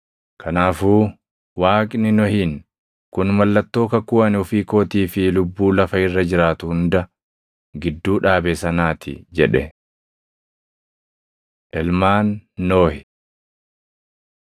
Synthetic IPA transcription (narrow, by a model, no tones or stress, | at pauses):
kʰɐnaːfuː | waːkʼnɪnɔhiːn | kʊnmɐlːɐt̪ːo̞ːkɐkʊɐnɔfiːkoːt̪iːfɪlʊbːuːlɐfɐɪrːɐd͡ʒɪɾaːt̪ʊhʊnd̪ɐ | ɡɪd̪ːuːᶑaːbɛsɐnaːt̪ɪ̰d͡ʒɛᶑɛ̰ | ʔɛlmaːnːoːhɪ